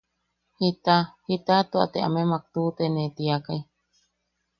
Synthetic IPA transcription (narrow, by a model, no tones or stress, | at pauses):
hit̪ahit̪at̪ua̰t̪ea̰memak̚t̪ut̪enẽt̪iakaj